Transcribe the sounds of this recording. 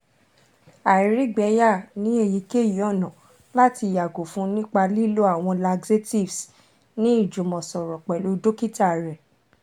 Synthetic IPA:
a˨i˨ɾi˨˦ɡ͡bɛ˨˦ja˦˨nĩ˨˦e˧˨ji˧ke˦˨jɔ˦˨nɔ̃˨ | la˦ti˧˨ja˨ɡo˨fũ˦nĩ˦k͡pa˧li˦lo˦a˦˨w̃ɔ̃˧la˧ɡze˦ti˦˨vs | nĩ˦i˦˨d͡ʒu˨mɔ̃˨sɔ˨ɾɔ˨k͡pɛ˨lo˨˦do˦ki˦ta˦˨ɾɛ˨

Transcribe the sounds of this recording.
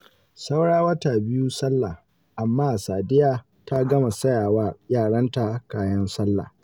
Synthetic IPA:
sa˦wɽaː˦wɐ˦taː˨bɪ˦ju˦sɐ˦lːa˨ | ʔa˨mːaː˦˨saː˨dɪ˦jaː˦ | ta˦ɡɐ˦ma˨sɐ˦jaː˨waː˦jaː˦˨ɽɐ˦nta˨kaː˨jɐ˦nsɐ˦lːa̰˨

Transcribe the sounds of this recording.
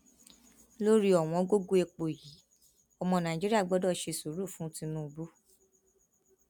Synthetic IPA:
lo˦ɾi˦ɔ˨w̃ɔ̃˧˦ɡo˦ɡo˦e˧k͡po˨ji˨˦ | ɔ˧mɔ̃˧nã˨d͡ʒi˦ɾi˦a˦˨ɡ͡bɔ˨˦dɔ˦˨ʃe˧su˨˦ɾu˦˨fũ˦tĩ˧nũ˦˧bu˦

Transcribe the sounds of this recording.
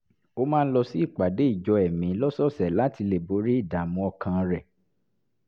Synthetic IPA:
o˦mãː˦˧ñ̩˦lɔ˧si˦i˦˨k͡pa˨de˨˦i˦˨d͡ʒɔ˧ɛ˨mĩ˨˦lɔ˦sɔ˦˨sɛ˨la˦ti˧le˨bo˨˦ɾi˦i˦˨da˨mũ˧ɔ˧kʰã˧ɾɛ˨

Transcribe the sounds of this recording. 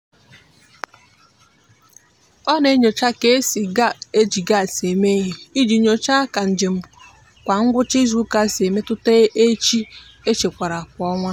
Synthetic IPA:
ɔ˦ne˦ɲo˨t͡ʃa˦ke˦si˨ɡa˦e˦d͡ʒi˨ɡa˦˨se˨me˦ɦe˨i˦d͡ʒi˨˦ɲo˨t͡ʃa˦ka˨n̩˨d͡ʒe˨m̩˦ | kʷa˨ŋ̩˦ɡʷʊ˦t͡ʃɪ˦zu˦ka˦˨se˨me˦tʊ˦te˦e˦t͡ʃi˦ | e˦t͡ʃe˨kʷa˨ɾa˨kʷɔ˦ŋʷa˦

